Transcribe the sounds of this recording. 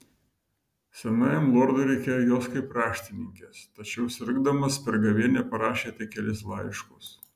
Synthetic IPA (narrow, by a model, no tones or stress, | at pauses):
sʲɛnɑːjɛmlˠoɾd̪ʊɾʲɛɪkʲeːjoːjoːskɐɪpɾɑːʃʲt̪ʲɪnʲɪŋʲkʲeːst̪ɐt͡ʃʲɛʊsʲɪɾɡd̪ɐmɐspʲɛɾɡɐʋʲeɛnʲɛpɐɾɑːʃʲeːt̪ʲɪkʲɛlʲɪs̬lˠɐɪʃkʊs